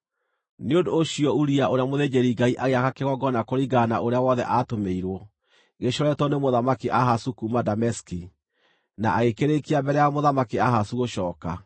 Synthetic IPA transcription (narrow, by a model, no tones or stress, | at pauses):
neondoːɕiɔuɾiaʔoɾeamoðed͡ʒeɾiɡaiʔaɣeakakeɣɔɡɔnakoɾiɡana̰ʔoɾeawɔðɛ̰ʔaːtomeiɾwɔ | ɣeɕɔɾɛtɔnemoðamakiʔahasukumadamɛski | naʔːɣekeɾekiambɛɾɛjamoðamakiahasuɣoʃɔːka